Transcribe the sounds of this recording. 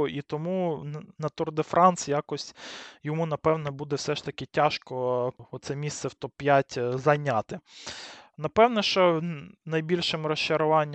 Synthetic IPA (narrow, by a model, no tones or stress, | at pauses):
ʔit̪ɔmunɐt̪ʊrd̪efɾʔɑnsjɑkɔsʲtʲjɔmunɐpɛwnɛbud̪ɛwsɛʃt̪ɐkɪtʲaʃkɔɔt̪sɛmʲist̪sɛwt̪ɔpːjatʲzɐjnʲat̪ɪ | nɐpɛwnɛʃt͡ʃɔnɐjbʲilʲʃɪmɾɔʃt͡ʃɐɾʊʋɑnʲː